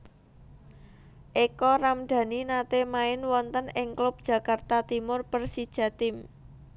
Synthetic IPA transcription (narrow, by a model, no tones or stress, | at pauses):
ʔekɔramɖ̥ä̤ninat̪emaɪnwɔnt̪ənɪŋklʊp̚d̥ʒ̥ä̤kart̪at̪imʊrpərsid̥ʒ̥ä̤t̪ɪm